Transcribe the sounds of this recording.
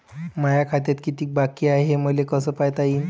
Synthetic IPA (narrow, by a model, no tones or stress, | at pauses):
majakʰat̪̬jat̪kit̪iːk̚bakiːaɦeməlekəsəːpajt̪aiːn